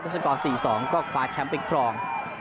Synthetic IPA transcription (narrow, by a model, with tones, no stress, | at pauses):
po˧˩sa˧kɔː˨˩siː˨˩sɔː˩˦ŋkɔː˥˩kʰwaː˧˥t͡ɕʰa˦˥mpe˧˩kʰɾɔː˧ŋ